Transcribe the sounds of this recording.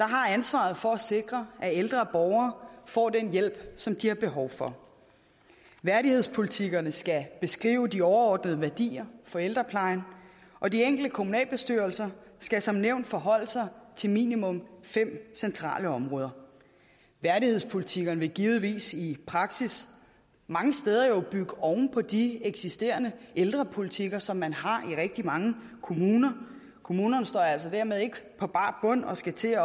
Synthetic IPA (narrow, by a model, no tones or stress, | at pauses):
d̥ɑ̈ɦɑ̈ænsʋɑ̰̈ð̞̩ˠfɒ̽æse̝ɡ̥ʁɐæeld̥ʁɐb̥ɒʊɐːfɒ̰ːd̥enjel̰b̥sɒ̽md̥ihɑ̈b̥e̝ɦɒʊfɒ̽ | ʋæɐɾihe̝ð̞̰ˠspʰo̝lit͡sʰiɡ̥ɐnəsɡ̥æb̥e̝sɡ̥ʁḭːʊəd̥iɒʊɐɒ̰ːd̥nəð̞ˠəʋæɐd̥ḭːɐfɒ̽eld̥ʁɐpʰlɑ̈ɪn | ʔɒ̽dieŋ̰ɡ̥l̩d̥əkʰo̝munɛ̰ːlb̥e̝sd̥yɐlsɐsɡ̥æsɒ̽mneʊ̰nd̥fɒ̽ɦɒ̽l̰əsɑ̈ɪt͡sʰe̝lmḭːnimɔ̽mfem̰sent͡sʰʁɑ̰̈ːləɒ̽mʁɔ̽ːðˠɐ | ʋæɐdihe̝̰spʰo̝lit͡sʰiɡ̥ɐnəʋe̝ɡ̥iːʊð̩ˠʋḭːsipʰʁɑ̈ɡ̥sis | mɑ̈ŋəsd̥eːð̞ˠɐjo̝b̥yɡ̥əɒʊnpʰɒ̽d̥ieɡ̥sisd̥e̝̰ːɐnəʔeld̥ʁɐpʰo̝lit͡sʰiɡ̥ɐsɒ̽mːænhɑ̈ʔiʁɛɡ̥̚d̥imɑ̈ŋəkʰo̝muːnɐ | kʰo̝muːnɐnəsd̥ɒ̰ːæl̰sɒ̽d̥æɐmeð̞ˠe̝ɡ̥əpʰɒ̽b̥ɑ̈ːb̥ɔ̽n̰ɒ̽sɡ̥æt͡sʰe̝ːɐ